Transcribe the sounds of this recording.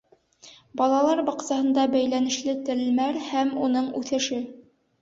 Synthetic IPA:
bɑlˠɑlˠɑɾbɑqsɑhɤ̆nd̪ɑbæjlænɘ̆ʃlɘt̪ɘ̆lmæɾhæmunɤɴʉθɘ̆ʃɘ

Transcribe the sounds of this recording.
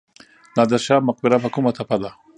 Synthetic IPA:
nad̪aʃamʊq̚bɪɾapakumat̪ʰapad̪a

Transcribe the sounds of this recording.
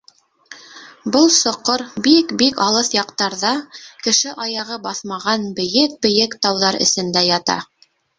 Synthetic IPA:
bɤlˠsŏqːoɾbikbikɑlˠɤθjɑqt̪ɑɾðɑkɘ̆ʃɘʔɑjɑʁɤbɑθmɑʁɑnbɘ̆jɘk̚bɘ̆jɘkt̪ɑwðɑɾɘ̰̆sɘ̆nd̪æjɑt̪ɑ̰

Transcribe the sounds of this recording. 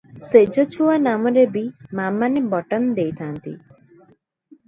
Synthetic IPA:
sed͡ʒɔt͡ʃʰuwanamɔɾebimamanebɔʈand̪ejt̪ʰant̪ḭ

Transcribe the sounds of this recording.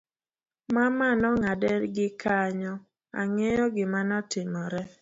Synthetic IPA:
mamanɔŋadɛɾɡɪkaɲɔ | a̰ŋejɔɡɪmanɔtɪmɔɾɛ

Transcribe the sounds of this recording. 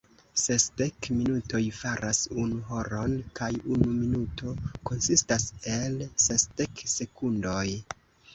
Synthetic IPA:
se̞sde̞kminuto̞jfaɾʔasunuɦo̞ɾo̞nkajunuminutʰo̞ko̞nsistase̞lsesd̥ekse̞kundo̞j

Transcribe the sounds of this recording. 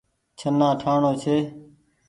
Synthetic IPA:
t͡ʃʰənːãːʈʰaːɳoːt͡ʃʰeː

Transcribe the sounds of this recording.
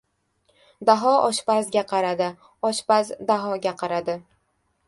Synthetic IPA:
d̪aɦɒʔɒʃpazɡʲaqʰɑɾad̪ɪ | ɒʃpazd̪aɦɒɡʲaqʰɑɾad̪ɪ

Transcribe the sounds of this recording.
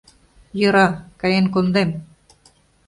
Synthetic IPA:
jɤ̆ɾɑkɑjenkond̪em

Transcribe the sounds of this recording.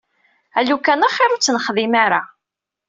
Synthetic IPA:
ælukænaχɪɾut͡sːnəχðimaɾa

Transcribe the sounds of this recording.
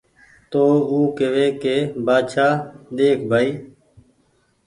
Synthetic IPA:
t̪oːuːkeʋeːkeːbaːʃaːɗ̪eːkʰbʱaːiː

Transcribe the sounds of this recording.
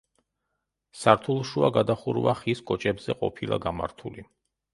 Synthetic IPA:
saɾt̪ʰulˠʃuaɡad̪aχuɾvaχiskʼɔt͡ʃʼɛbzɛqʼɔ̰pʰilˠa̰ɡama̰ɾt̪ʰuli

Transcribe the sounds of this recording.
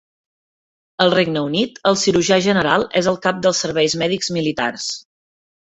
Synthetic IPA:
əlˠreɡnəunit̪əlˠsiɾuʒaʒənəɾalˠɛzəlˠkap̚d̪əlˠsːəɾβɛjzmɛðikzmilit̪a̰rs

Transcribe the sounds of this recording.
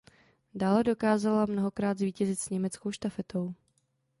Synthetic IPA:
daːlɛdo̞kaːzalamno̞ɦo̞kɾaːd̪zviːcɛzɪt̪sɲɛmɛt͡sko̞wʃt̪afɛt̪o̞w

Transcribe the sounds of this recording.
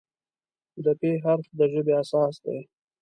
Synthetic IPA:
d̪əpeɦaɾtd̪əʒəbeasɑːsd̪ḛj

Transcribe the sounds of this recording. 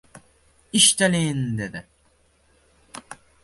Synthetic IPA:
iʃt̪alind̪ed̪ɪ

